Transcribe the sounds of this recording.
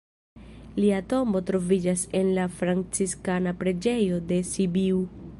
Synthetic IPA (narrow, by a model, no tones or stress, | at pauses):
liato̞mo̞tɾo̞vid͡ʒase̞nlafɾant͡siskanapɾe̞d͡ʒe̞jo̞de̞sibiu